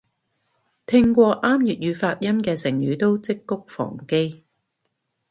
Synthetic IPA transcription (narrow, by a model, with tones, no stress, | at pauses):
t̪ʰɪ˥ŋkʷɔː˧ʔaː˥mjyː˨t̚jyː˨˧faː˧t̚jɐ˥mkɛː˧sɪ˨˩ŋjyː˨˥t̪o˥wt͡sɪ˥kːʊ˥k̚fɔ̰ː˨˩ŋke˥j